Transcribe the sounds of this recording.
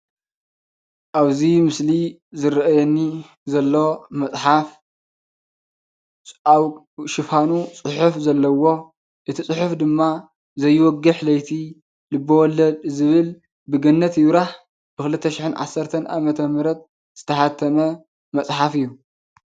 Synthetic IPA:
ʔaβzimɨsli | zɨɾʔajɛnːi | zɐlːomɐsʼħaf | ʃɪfanut͡sʼɨħufzɐlːɐwo̞ | ʔɨt̪ʰit͡sʼɨħufd̪ɨmːa | zɐjːwɔɡɨħlɐjt̪ʰi | lɨbɐwɔlːɐd̪zɨβɨl | bɨɡɐnːɐt̪jɪβɾaħ | bɨxɨlɨt̪ʰːɐʃɪħɨnʕa̰sːɐɾt̪ʰɐnʔa̰mɐt̪ʰɐmɨɾɐt̪̚ | z̥ɨt̪ʰɐħat̪ʰːɐmɐ | mɐt͡sʼħafɨjːu

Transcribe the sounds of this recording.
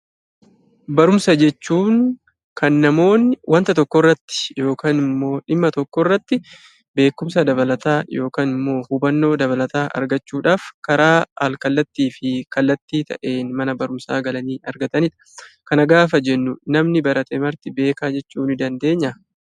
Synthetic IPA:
bɐɾʊmsɐd͡ʒɛt͡ʃːuːŋ | kɐnːɐmo̞ːnɪwɐnt̪ɐt̪ɔkːɔrːɐt̪ːɪ̥jo̞ːkaːnɪmːo̞ːᶑɪmːɐt̪ɔkːɔrːɐt̪ːɪ | be̞ːkːʊmsɐd̪ɐbɐlɐt̪aːjo̞ːkaːnɪmːo̞ːhubɐnːo̞ːd̪ɐβɐlɐt̪aːʔɐ̰ɾɡɐt͡ʃːuːᶑaːfkɐɾaːɐ̰lkɐlːɐt̪ːiːfɪkɐlːɐt̪ːiːt̪ʰɐ̰ʔe̞ːnmɐnɐbɐɾʊmsa̰ːɡɐlɐniːʔɐɾɡɐt̪ɐnɪᶑɐ̥ | kɐnɐɡaːf̬ɐd͡ʒɛnːʊnɐmnɪbɐɾɐt̪ɛmɐɾt̪ɪbe̞ːkaːd͡ʒɛt͡ʃːuːnɪd̪ɐnd̪e̞ːɲːɐ

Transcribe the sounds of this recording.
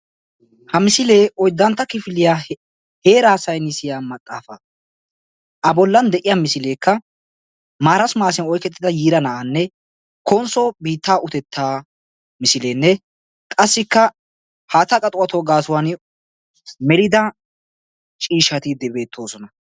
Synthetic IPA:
hɐmɪsɪle̞ːʔɔjd̪ːɐnt̪ːɐkɪfɪlɪjaː | he̞ːɾɐhsɐjnɪsɪjaːmɐt̪ʼːaːfɐ | ʔɐbɔlːɐnd̪ɛʔɪjamɪsɪle̞ːkːɐ | maːɾɐsʊmaːsɪnɔjkɛt̪ːɪd̪ɐjiːɾɐnɐʔanːɛ | kʰɔnsɔbiːt̪ːaːʔʊt̪ɛt̪ːaː | mɪsɪleːnːɛ | kʼɐsːɪkːɐ | haːt̪ɐkʼɐt̪ʼʊɐt̪oːɡaːsʊwan | mɛɾɪd̪ɐ | t͡ʃʼiːʃːɐt̪ɪd̪ɛbe̞ːt̪ʰːo̞ːsɔnɐ

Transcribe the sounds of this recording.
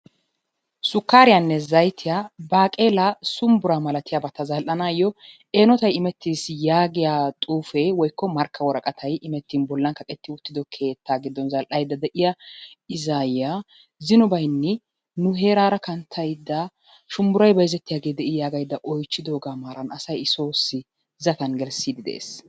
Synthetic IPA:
sʊkːaːɾɪjanːɛzɐjt̪ʰɪjabaːkʼeːlɐsʊmbʊɾaːmɐlɐt̪ɪjaːbɐt̪ːɐzɐlʔɐnaːjːɔ | eːnɔt̪ɐjɪmɛt̪ːiːsjaːɡɪjaːt̪ʼuːfɛwɔjkːɔmɐɾkʰːɐwɔɾɐkʼɐt̪ʰɐjʔɪmɛt̪ːiːnbɔlːɐŋkɐkʼɛt̪ːɪʊt̪ːɪd̪ɔkʰe̞ːt̪ʰːaːɡɪd̪ːɔnzɐlʔɐjd̪ːɐd̪ɛʔɪjaɪzaːjɪja | zɪnʊbɐjnːɛ | nʊɦe̞ːɾaːɾɐkɐnt̪ʰːɐjd̪ːɐ | ʃʊmbʊɾɐjbɐjɪzɛt̪ːɪjaːɡe̞ːd̪ɛʔɪjaːɡɐjd̪ːɐʔɔjt͡ʃːɪd̪o̞ːɡaːmaːɾɐnɐsɐjɪso̞ːsːɪ | zɐt̪ɐnɡɛlsiːd̪ɪd̪ɛ̰ʔḛːs

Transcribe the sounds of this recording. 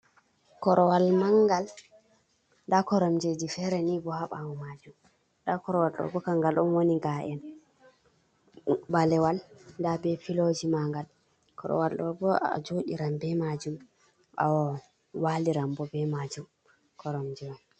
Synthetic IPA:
kɔɾɔwalmaŋɡal | dakɔɾɔmd͡ʒed͡ʒifɛɾɛnibɔhaɓawɔmad͡ʒum | dakɔɾɔwalɗɔ̰ɡɔkaŋɡalʔɔnwoniɡaʔɛn | balɛwalndabɛfilod͡ʒimaŋɡal | kɔ̰ɾɔ̰walɗɔbɔa̰d͡ʒoɗḭɾambɛmad͡ʒum | ʔa̰wɔ | waliɾambɔbɛmad͡ʒum | kʰɔɾɔmd͡ʒɛwam

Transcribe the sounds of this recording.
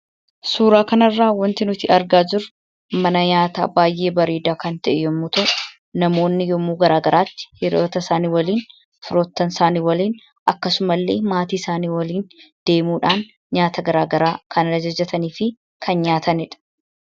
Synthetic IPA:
suːɾaːkɐnɐrːaːwɔnt̪ɪnʊt̪iːʔɐɾɡaːd͡ʒʊɾ | mɐnɐɲaːt̪a̰ːbaːjʔe̞ːbɐɾeːd̪aːkɐnt̪ɐʔɛjɔmːuːt̪ɐʔʊʊ | nɐmo̞ːnːɪjɔmːuːɡɐɾaːɡɐɾaːt̪ːɪ̥hɛɾoːt̪ɐsaːniːwɐliːn | fɪɾo̞ːt̪ːɐnsaːniːwɐliːn | ʔɐkːɐsʊmɐlːe̞̰ːmaːt̪iːɪsaːniːwɐliːnd̪̥e̞ːmuːᶑaːn | ɲaːt̪ɐɡɐɾaːɡɐɾaːkʰɐnɐɾɐd͡ʒɐd͡ʒɐt̪ɐniːfɪ | kʰɐnɲaːt̪ʰɐnɪᶑɐ̥

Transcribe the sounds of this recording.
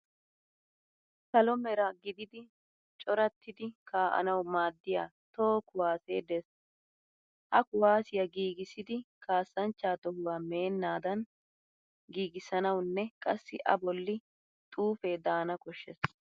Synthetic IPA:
kɐlɔmɛɾɐɡɪd̪ɪd̪ɪ | t͡ʃʼɔɾɐt̪ːɪd̪ɪkʰaːʔɐ̰nɐwmaːd̪ːɪjaːt̪oːkʊwaːseːd̪ɛs | hɐkʊwaːsɪjɐɡiːɡɪsɪd̪ɪkʰaːsːɐnt͡ʃːaːt̪ɔhʊwaːme̞ːnːaːd̪ɐn | ɡiːɡɪsɐnɐwnːɛkʼɐsːɪ̰ʔɐ̰bɔlːɪ | t̪ʼuːfeːd̪aːnɐkʼɔʃːɛs

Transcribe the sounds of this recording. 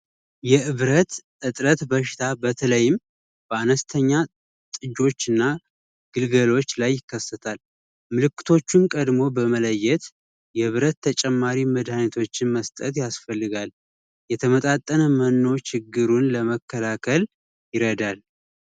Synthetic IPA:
jɛʔɨβɾət̪ʔɨt̪ʼɾət̪bəʃɪ̥t̪ʰabət̪ʰələjːɪm | b̥əanəst̪ʰəɲːa | t̪ʼɨd͡ʒo̞t͡ʃːɨnːa | ɡ̥ɨlɡəlo̞t͡ʃːlajːɪkːəsːət̪ʰal | mɨlɨkːɨ̥t̪ʰo̞t͡ʃːunkʼəd̪mo̞bəmələjːɛt̪ | jɛɨβɾət̪ʰːət͡ʃʼɛmːaɾiməd̪hanət̪ʰo̞t͡ʃːɪnməst̪ʼət̪jasfəlːɨɡal | jɛt̪ʰəmət̪ʼat̪ʼːənəmənːo̞t͡ʃɪɡːɨɾunləməkʰːəlakʰəl | jɪɾəd̪al

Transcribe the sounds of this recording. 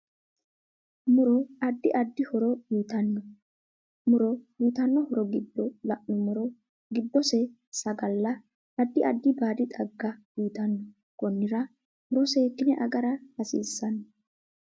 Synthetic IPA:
mʊɾɔɐd̪ːɪʔɐd̪ːɪhɔɾɔjuːt̪ɐnːɔ | mʊɾɔjuːt̪ɐnːɔhɔɾɔɡɪd̪ːɔlɐʔʊmʊɾɔ | ɡɪd̪ːɔsɛ | sɐɡɐlːɐ | ɐd̪ːɪʔɐd̪ːɪbaːd̪ɪt̪ʼɐɡːɐ | iːt̪ɐnːɔ | ɡ̥ɔnːɪɾɐ | hɔɾɔseːkːɪnɛʔɐɡɐɾɐhɐsḭːsːɐnːɔ

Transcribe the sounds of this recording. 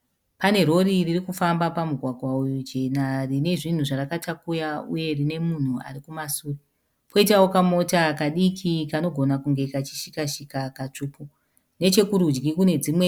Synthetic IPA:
pane̞ɾo̞ɾiririkufambapamuɡʱwaɡʱwaujud͡ʒe̞narine̞ʐin̤uʐarakatakujaṵje̞rine̞mun̤ua̰ɾikumasuːre | po̞itawokamo̞takaɗikʰikano̞ɡʱo̞nakuŋɡe̞kat͡ʃi̥ʃikaʃikakat͡ʂuːpu | ne̞t͡ʃe̞kuɾud͡ʒɡikune̞d͡zimwe

